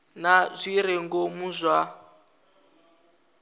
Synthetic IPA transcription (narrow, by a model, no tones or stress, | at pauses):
nazʷiɾɛŋɡomuzʷwa